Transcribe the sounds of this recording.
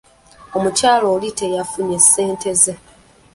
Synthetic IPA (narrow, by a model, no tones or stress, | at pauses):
o̞mucaːloːlitejafuɲe̞se̞ːnte̞ze